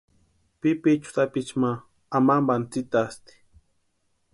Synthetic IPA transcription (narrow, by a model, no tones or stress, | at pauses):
pipit͡ʃʊ̥t̪apit͡ʃmaː | mambant͡sit̪ast̪i̥